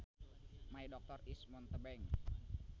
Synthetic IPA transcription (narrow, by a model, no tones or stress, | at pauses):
maidɔk̚t̪ɔrismɔnt̪əbɛŋ